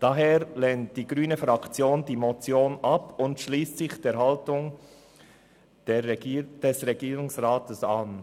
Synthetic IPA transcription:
d̥ɑɦeːɾlɛnt̚d̥iːɡɾyːnəfɾɑkt͡sjoːndiːmot͡sjoːnʔɑpʊntʃliːst͡sɪçd̥eːɾɦɑltʊŋ | d̥ɛd̥ɛsʁɛɡiːɾʊŋsʁaːtəsɑn

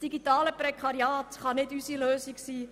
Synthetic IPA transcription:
sd̥iɡitɑːləpɾɛkʰɑɾiaːtχɑnɪdysiløːsiksiː

